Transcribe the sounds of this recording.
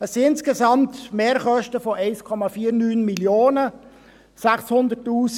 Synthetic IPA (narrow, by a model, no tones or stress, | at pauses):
əsːiɪnskesɑmt̪meːɾχœʃtəfoʔɛɪskʰɔmɑfiːəɾnyːnmiljoːnə | sæχshʊnd̪ətːuːs